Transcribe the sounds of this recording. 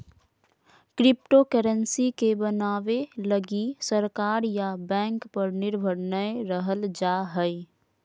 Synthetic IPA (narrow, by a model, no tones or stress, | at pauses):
kɾɪp̚ʈokəɾənsikebənaːʋeləɡisəɾkaːɾjabɛ̃ːŋkpəɾnɪɾbʱəɽnəjɾəɦəld͡ʒaɦəɪ